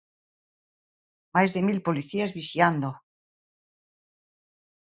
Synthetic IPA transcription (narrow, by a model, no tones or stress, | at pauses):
majzðemilpoliθiazβisjand̪o